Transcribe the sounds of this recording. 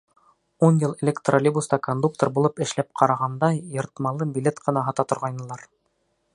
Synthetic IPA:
unjɤlˠelʲekt̪rolʲibust̪ɑkond̪uk̚t̪orbulˠɤpɘ̆ʃlæp̚qʰɑɾɑʁɑnd̪ɑjŏɾt̪mɑlˠɤbʲilʲet̪qɤ̆nɑɦɑt̪ɑt̪ŏɾʁɑjnɤ̆lˠɑɾ

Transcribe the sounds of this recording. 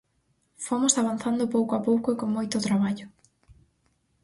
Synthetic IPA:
fomosaβan̟θand̪ʊpowkoapowkʊekoŋmojt̪ʊt̪ɾaβaʎʊ

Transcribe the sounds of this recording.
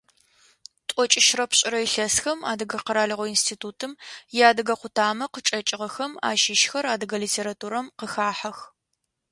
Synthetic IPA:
tʷʼɔt͡ʃʼɪʃrɐpɕʼɪɾɐiɬɐsxɐma̰ːdɨɡɐqəɾaːɮɨʁʷɔinstʰiːtʰuːtʰɨmjaːdɨɡɐqʷʊtʰaːmɐqət͡ʃʼɐt͡ʃʼɪʁɐxɐma̰ːʃɪʃxɐɾaːdɨɡɐliːtʰeːɾatʰuːɾɐmqəxaːħɐx

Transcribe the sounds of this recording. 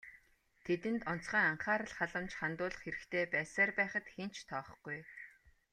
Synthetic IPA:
t̪ʰet̪ɘ̆nt̪ɔn̥t͡sχiːŋaɴχaːɾə̆ɮχaɮə̆mt͡ɕχant̪ʊːɮə̆χxeɾɘ̆kt̪ʰeːpæːsaːrpæːχə̆t̪xent͡ɕt̪ʰɔːχ̆χɡ̥uj

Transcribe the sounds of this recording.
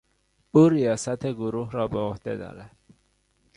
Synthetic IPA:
uːɾijɒːsæt̪ʰeɡoɾuːɦɾɒːbeohd̪̥ed̪ɒ̰ːɾæd̪̥

